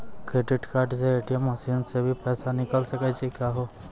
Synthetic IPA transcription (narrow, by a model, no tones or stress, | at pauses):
kɾeːɖiʈkaːɾʈseeːʈijəmɐsiːnsebʱipɛːsanɪkəlsəkaːt͡ʃʰikaːɦo